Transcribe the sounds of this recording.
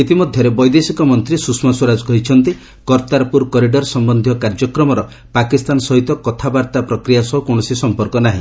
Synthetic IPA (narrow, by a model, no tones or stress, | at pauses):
it̪imɔd̪ʱjɔɾebɔjd̪esikɔmɔnt̪ɾisusmaswɔɾad͡ʒɔkɔɦit͡ʃʰɔnt̪i | kɔɾt̪aɾpuɾkɔɾiɖɔɾsɔmbɔnd̪ʱijɔkaɾd͡ʒɔkɾɔmɔɾɔ | pakist̪ansɔɦit̪ɔkɔt̪ʰabaɾt̪apɾɔkɾijasɔɦukonɔsisɔmpɔɾkɔnaɦĩ